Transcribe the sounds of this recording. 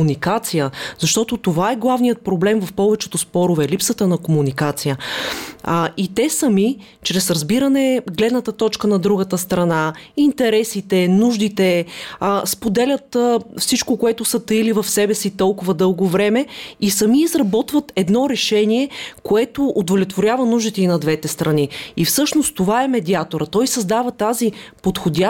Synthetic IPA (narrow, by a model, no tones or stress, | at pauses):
nikat̪sijəzɐʃt̪ɔt̪ʊt̪ovaɛɡlˠavnijət̪̚pɾoblɛmvɐfpɔvɛt͡ʃɛt̪ʊspɔɾʊvɛlipsət̪ənɐkomunikat̪sijə | it̪ɛsɐmi | t͡ʃɾɛsɾɐzbiɾənɛɡlɛd̪nət̪ət̪ɔt͡ʃkənɐd̪ɾuɡət̪əst̪ɾɐnaint̪ɛɾɛsit̪ɛnuʒd̪it̪ɛ | spod̪ɛlʲət̪fsit͡ʃkokoɛt̪ʊsət̪əilivɐfsɛbɛsit̪ɔlˠkʊvɐd̪ɤlˠɡovɾɛmɛisɐmiːzɾɐbɔt̪vət̪ɛd̪nɔɾɛʃɛniɛkoɛt̪oʔːd̪volʲɛt̪voɾʲjavɐnuʒd̪it̪ɛinɐd̪vɛt̪ɛst̪ɾɐniifsɤʃnost̪t̪ovaɛmɛd̪iat̪oɾət̪ɔjsɐzd̪avɐt̪azipot̪xod̪ʲa